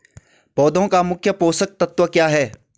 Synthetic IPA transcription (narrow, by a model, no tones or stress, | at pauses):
pɔːd̪ʱõkamʊkʰjəpoːsək̚t̪ɐt̪wəkjaːɦɛː